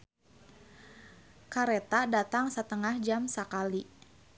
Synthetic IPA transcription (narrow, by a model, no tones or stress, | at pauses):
kaɾet̪adat̪aŋsət̪əŋahd͡ʒamsəkali